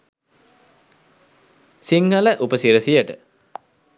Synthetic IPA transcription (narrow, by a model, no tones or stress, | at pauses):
siŋhələʔupəsiɾəsijəʈə